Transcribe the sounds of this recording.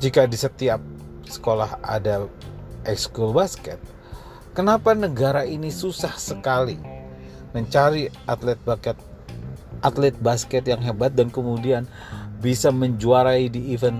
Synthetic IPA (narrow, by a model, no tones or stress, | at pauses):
d͡ʒikadisət̪iap̚ | sə̥kolaha̰daʔɛkskulbaskɛt̪̚ | kənapanəɡaɾainisusahsəkali | məɲt͡ʃaɾiʔat̪lɛt̪̚bakɛt̪̚ | ʔat̪lɛt̪̚baskɛt̪jaŋɦebat̪̚dankəmudian | bisaməɲd͡ʒuaɾaidiːvɛn